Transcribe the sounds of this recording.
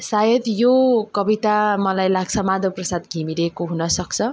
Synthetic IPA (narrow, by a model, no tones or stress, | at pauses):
sajʌd̪jokʌbit̪amʌlajlaɡt͡sʰʌmad̪ʱoprʌsad̪ɡʱimiɾekoɦunʌsʌkt͡sʰʌ